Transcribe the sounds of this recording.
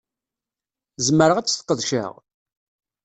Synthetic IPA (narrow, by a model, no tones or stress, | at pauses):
zməɾəʁæt͡sːθə̥qːəðʃə̰ʁ